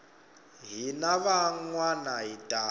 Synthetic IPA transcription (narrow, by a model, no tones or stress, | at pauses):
ɦinaβaŋwanaɦitʼa